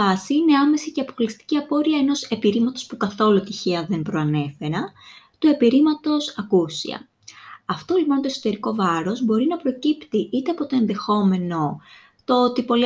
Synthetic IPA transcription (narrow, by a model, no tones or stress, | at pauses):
ɐsiine̞ɐme̞siceɐpoklist̪i̥ciɐpo̞ɾiɐeno̞se̞piɾimɐt̪o̞spukɐθo̞lut̪içeɐðe̞npɾoɐne̞fe̞ɾɐ | t̪ue̞piɾimɐt̪o̞sɐkusḭɐ̰ | ɐft̪o̞lipo̞nt̪oesot̪e̞ɾiko̞vɐɾo̞zbo̞ɾinɐpɾo̞cipt̪iʔit̪eɐpo̞t̪o̞e̞nðe̞xo̞me̞no̞ | t̪oot̪ipo̞li